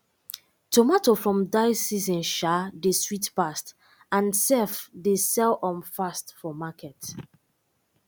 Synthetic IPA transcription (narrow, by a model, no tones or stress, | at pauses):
tomatofɹɔ̃mdaɪsizɔ̃nʃadeswitpast | ãnsɛfdesɛlɔ̃mfastfɔmakɛt